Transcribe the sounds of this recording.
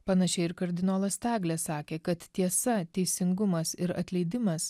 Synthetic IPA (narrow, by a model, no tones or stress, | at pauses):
pɐnɐʃʲɛɪɪɾkɐɾʲd̪ʲɪnoːlˠɐst̪ɑːɡlʲɛːsɑːkʲeːkɐt̪t̪ʲiɛsɐt̪ʲɛɪsʲɪŋɡʊmɐsɪɾɐ̰t̪ʲlʲɛɪd̪ʲɪmɐs